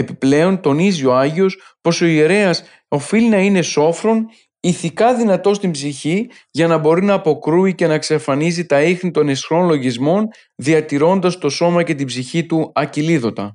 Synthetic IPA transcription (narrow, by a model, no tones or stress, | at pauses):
e̞piple̞o̞nt̪o̞nizio̞ɐʝio̞spo̞so̞ie̞ɾe̞ɐs | o̞filinɐine̞so̞fɾo̞n | iθikɐðinɐt̪o̞st̪imbziçi | ʝɐnɐbo̞ɾinɐːpo̞kɾuice̞nɐksefɐnizit̪ɐixnit̪o̞ne̞sxɾo̞nlo̞ʝizmo̞n | ðiɐt̪iɾo̞nd̪ɐst̪o̞so̞mɐce̞t̪ibziçit̪uɐciliðo̞t̪ɐ̰